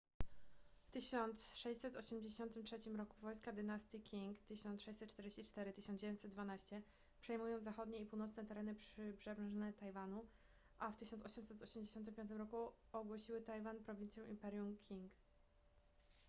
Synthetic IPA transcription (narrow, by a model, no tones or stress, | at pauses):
ft̪ɘɕɔnt̪sʂɛɕʲsɛt̪ɔɕɛmd͡ʑeɕɔnt̪ɘmtʂɛt͡ɕimɾɔkuvɔjskad̪ɘnast̪ikʲiŋkt̪ɘɕɔnt̪sʂɛɕt͡ɕsɛt̪̚ːt͡ʂt̪ɛɾd͡ʑeɕt͡ɕit͡ʂt̪ɛɾɘt̪ɘɕɔnd͡ʑevʲjeɲt͡ɕ̪ʲsɛt̪d̪vanaɕt͡ɕɛ | pʂɛjmujɔ̃w̃zaxɔd̪ɲɛipuwnɔt̪snɛt̪ɛɾɛnɘpʂɘbʐɛnɛt̪ajvanu | ʔaft̪ɘɕɔnt̪sɔɕɔmsɛt̪ɔɕɛmd͡ʑeɕɔnt̪̬ɘmpʲjɔnt̪ɘmɾɔku | ɔɡwɔɕiwɘt̪ajvanpɾɔvʲint̪sʲjɛ̃wimpɛɾjumkʲʰiŋk